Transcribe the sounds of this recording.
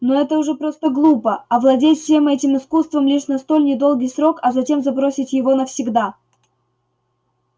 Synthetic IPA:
noɛt̪əʊʐɛpɾost̪əɡlˠupəɐvlˠɐdʲetʲfʲsʲe̞mɛtʲɪmɨskust̪vəmlʲiʂnɐst̪o̞lʲnʲɪd̪o̞lˠɡʲijsɾo̞kɐzɐtʲe̞mzɐbɾosʲɪtʲjɪvo̞nəfsʲɪɡd̪a

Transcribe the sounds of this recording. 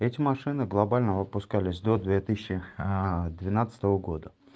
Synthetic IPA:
ɛtʲɪmɐʂɨnɨɡlˠɐbalʲnəvəpʊskalʲɪsʲd̪o̞d̪vʲet̪ɨsʲɪɕːɪ | d̪vʲɪnat̪sə̥t̪əvəɡo̞d̪ə

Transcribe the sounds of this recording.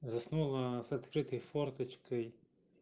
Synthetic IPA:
zɐsnulˠɐsɐt̪kɾɪt̪ɨjfɔrt̪ɐt͡ʃkɨj

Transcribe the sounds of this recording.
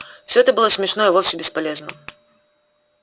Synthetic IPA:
fsʲɔɦɛt̪əbɨlˠɔsʲmʲɛʂnɔivɔfsʲɪbʲɪspalʲɛznə̰

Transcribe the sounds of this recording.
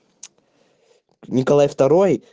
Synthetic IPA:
nʲɪkɐlˠajft̪ɐɾoj

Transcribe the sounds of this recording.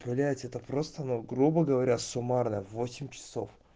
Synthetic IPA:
pʊlʲæjɪtʲɛt̪əpɾo̞st̪əɐnoɡɾubəɡəvɐɾʲasʊmarnəjəvːosʲɪmʲt͡ɕɪ̥so̞̰f

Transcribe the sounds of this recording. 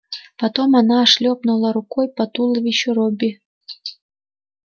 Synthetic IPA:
pɐt̪omɑnɑːʂlʲopnulˠɑɾukojpat̪ulˠəvʲiɕoɾobʲi

